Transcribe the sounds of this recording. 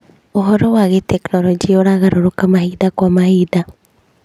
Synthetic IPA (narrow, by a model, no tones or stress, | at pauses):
oɦɔɾɔwaɣetɛknɔlɔd͡ʒioɾaɣaɾoɾokamahiðakwamahiða